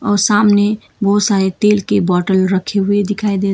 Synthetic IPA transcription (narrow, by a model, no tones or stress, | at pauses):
ɔːɾsamne | bəɦusaet̪elkebɔʈəlɾəkʰeɦued̪ikʰajd̪e